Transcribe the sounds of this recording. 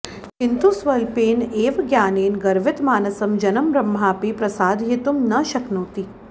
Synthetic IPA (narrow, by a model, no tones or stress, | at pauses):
kɪnt̪usʋɐlpeːneːʋɡjaːneːnɡɐɾʋɪt̪maːnɐsɐmd͡ʒɐnɐmbɾɐmːaːpipɾɐsaːd̪ʱjit̪umnɐʃɐknoːt̪i